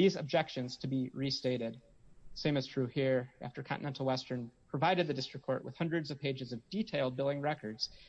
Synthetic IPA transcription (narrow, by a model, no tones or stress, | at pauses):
izɨ̰b̚d͡ʒɛkʃɨ̃nz̥tʰɨbiɹisteɪɾɪd̥̚ | sẽɪ̃mɨz̥tʰɹ̥ʉhiɹʔæ̰ftə˞kʰɑ̰̃nɨnɛ̃ntˡl̩ˠwɛstə̃˞npʰɹ̥ɨvaɪɾɨd̪̚ðɨdɪstɹ̥ɨkʰːɔɹʔwə̰ð̥hʌ̃ndɹɨdzʌv̥pʰeɪd͡ʒɨzʌvditʰeɪlˠd̚bɪlˠɪ̃ŋɹɛkə˞dz̥